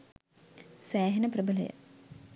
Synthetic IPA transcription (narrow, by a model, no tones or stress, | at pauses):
sæːɦenəprəbələ̰jə̰